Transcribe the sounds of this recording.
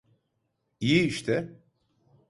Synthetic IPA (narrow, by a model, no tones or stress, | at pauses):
ijiiʃt̪ʰɛ